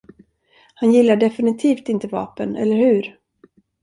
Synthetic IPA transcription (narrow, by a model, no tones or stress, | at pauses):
hanjɪlːaɖɛfɪnɪt̪ʰiːft̪ɪnt̪əvɑ̰ːpənɛ̰lːəɾhʉ̟ːɾ